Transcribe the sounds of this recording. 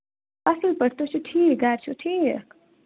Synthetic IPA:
ɐsəlpəɽ̤t̪ot͡ʃʰuʈʰiːkɡaɾt͡ʃʰuʈʰiːk

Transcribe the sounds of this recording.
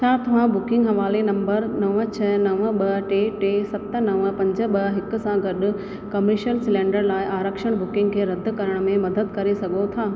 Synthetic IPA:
t͡ɕʰaːt̪ɐʋ̤ãbʊkɪ̃ŋɡɦɐʋaːlenɐ̃mbəɾnɐʋət͡ɕʰɐnɐʋəɓɐʈeːʈeːsɐt̪ə̆nɐʋəpɐ̃ɲd͡ʑə̆ɓɐɦɪkʊ̆sãɡɐɗʊ̆ | kɐməɾʃəlsɪlẽːɳɖəɾlaːɪʔaːɾəkʃəɽ̃bʊkɪ̃ŋɡkʰeːɾɐd̪̆ʱkɐɾəɽ̃mẽmɐd̪əd̪kɐɾesɐɡʱot̪ʰaː

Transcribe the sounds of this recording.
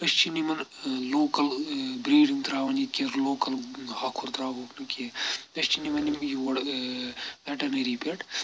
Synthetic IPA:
ɐʃt͡ʃinimɐnloːkɐlbɾiːɖiŋɡt̪ɾaːʋɐnit̪̚keɾloːkɐlhakʰuɾt̪ɾaːboːknɐkiɐʃt͡ʃinimɐnimjiʋɐɽ | pɛʈɐneɾipeʈ

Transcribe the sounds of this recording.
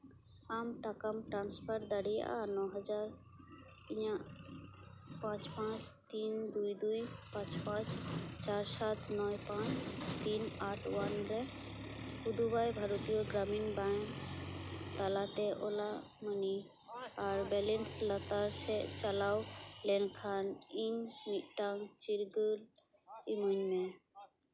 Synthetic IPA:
aːmʈakəmʈɾãːnspʰəɾʈd̪əɽij̰a̰nɔɦəd͡ʒaɾ | pia | pãt͡ʃpãt͡ʃt̪iːnd̪ujd̪ujpãt͡ʃpãt͡ʃt͡ʃaɾsat̪ʰnɔjpãt͡ʃt̪iːnaːʈʰwənɾɛ | ud̪ʱubajbʱaɾut̪ijoɡɾaminbaŋ | t̪alat̪eʔola | məni | aɾbɛlenslət̪aɾset͡ʃəlawlenkʰaniɲmiʈaŋɡt͡ʃiɾɡəl | iməɲmẽ

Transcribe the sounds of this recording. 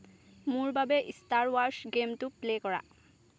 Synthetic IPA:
mʊɹbabɛʔistaɹwaɹsɡemtʊplekɔɹa̰

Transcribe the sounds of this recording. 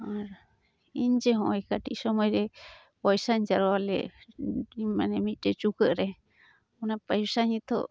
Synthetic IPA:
aɾ | ind͡ʒeɦõikaʈisomãiɾe | waisand͡ʒaɾoalḛ | imãnẽmĩtet͡ʃukəʔɾe | unãpajusaɲĩt̪o̰

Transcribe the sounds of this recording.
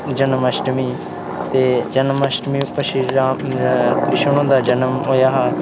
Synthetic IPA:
d͡ʒənəməsʈmiː | t̪eːd͡ʒənəməsʈmiːpəʃia | pɾɪʃəɳ̃õːd̪aːd͡ʒənəmɦoːjaːɦaː

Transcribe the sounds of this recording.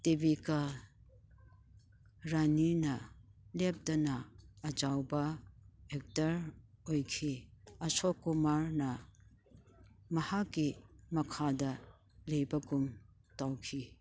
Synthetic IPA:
tebikɐ | ɾaninɐlep̚dɐnɐːd͡ʒawbɐek̚tɐɾojkʰiɐsɔkumaɾnɐ | mɐhakːimɐkʰadɐ | lejbɐɡum | tawkʰi

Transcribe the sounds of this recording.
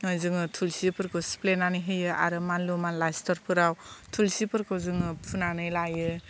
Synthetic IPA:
ŋɯzɯŋɯtʰulsipʰɯɾkʰɯsplenanɯjɦɯjɯa̰ɾɯmanlumanlajstʰɔɾpʰɯɾawtʰulsipʰɯɾkʰɯzɯŋɯpʰunanɯjlajɯ

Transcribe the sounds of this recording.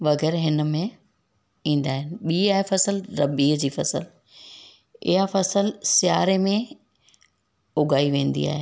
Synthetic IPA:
ʋɐɣɛːɾɦɪnəmẽ | ĩːnd̪aːɦɪnɪ̆ɓiːaːɦefɐsəlɾɐbiːɦd͡ʑiːfɐsə̰l | ɪ̰ɦafɐsəlsɪjaːɾemẽ | ʊɡaːiʋẽːn̆d̪ḭa̰ːɦeː

